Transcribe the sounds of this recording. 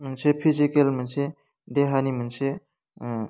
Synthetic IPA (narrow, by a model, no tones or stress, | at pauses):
mnsepʰizikelmɐnse | deɦanimɐnse